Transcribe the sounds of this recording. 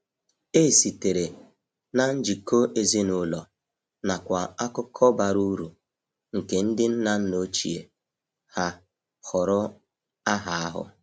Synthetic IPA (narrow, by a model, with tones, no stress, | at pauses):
e˦˨si˨te˨ɾe˨ | na˦n̩˦d͡ʒi˨ko˦ʔe˦zi˦nʊ˨lɔ˨ | na˨kʷa˨a˦kʊ˦kʰɔ˦ba˨ɾu˦ɾu˨ | ŋ̩˨ke˨n̩˦dɪ˦n̩˦na˦n̩˦no˦t͡ʃḭ˨ḛ˨ | ha˦ | hɔ˨ɾʊ˦ | a˦ɦa˨a˦ɦʊ̰˦